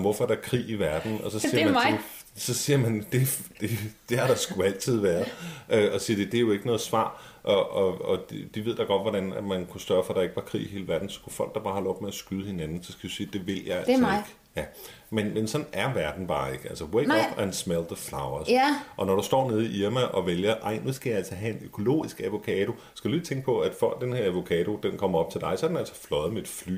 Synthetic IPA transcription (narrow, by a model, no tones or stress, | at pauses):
ʋɔfɒɐ̥ɑkʰʁḭːiʋæɐd̥n̩ɒ̽sɒ̽siɐɐmæne | sɒ̽siːɐmænd̥e̝d̥e̝d̥e̝ɑɾ̥ɑsɡ̥uæl̰t͡sʰið̞̰ˠʋæːɐðʔøɒ̽siːɐd̥e̝d̥e̝æɐjo̝e̝ɡ̥ənɔ̽ːð̞̩ˠsʋɑ̰̈ːʔɒɒɒ̽dd̥iʋe̝ð̰ˠd̥ɑ̈ɡ̥ɒ̽d̥ʋɒɾ̥ænæmænkʰusd̥ɶɐfɒ̽ɾ̥ɑ̈e̝ɡ̥əʋɑ̈kʰʁḭːiɦe̝ːləʋæɐd̥n̩sɒkʰufɒ̽l̰ɡ̥̚d̥ɑ̈b̥ɑ̈ːhɑlɒ̽b̥meæsɡ̥yðˠəhe̝nænn̩sɒ̽skʰæd̥isiːd̥e̝ʋe̝l̰jɑ̈ɪæl̩ˠeɡ̥ | jæ | menmensɒ̥̽næɐʋæɐd̥n̩b̥ɑ̈ːe̝ɡ̥əælsɐweɡɒb̥ænsmeld̥əfläʊɐsʔɒ̽nɒɾusd̥ɒ̰ːneð̞ˠiʔiɐmæʔɒ̽ʋeljɐʔɑ̈ɪ̰nusɡ̥æjɑælsɐɦæe̝nøkʰo̝lo̝̰ːisɡ̥æʋo̝kʰɛːd̥o̝ | skɡ̥æd̥ulit͡sʰeŋɡ̥əpʰɒ̽æd̥fɒɡ̚d̥enhe̝ɐæʋo̝kʰɛːdo̝d̥enkʰɒ̽m̰ɐɒ̽b̥̚t͡sʰe̝ld̥ɑ̈ɪsɒ̽ɐd̥enæl̰sɒ̥flɒ̽ð̩ˠmeed̥fly̰ː